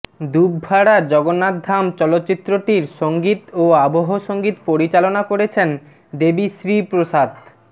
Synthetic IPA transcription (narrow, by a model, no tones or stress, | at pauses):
d̪ubʱaɽaɾd͡ʑɔɡonːad̪ʱːamt͡ɕɔlot̪ːɕit̪ːɾoʈiɾʃoŋɡit̪oaboɦoʃoŋɡit̪poɾit͡ɕalonakoɾet͡ɕʰen | d̪ebiʃɾipɾoʃad̪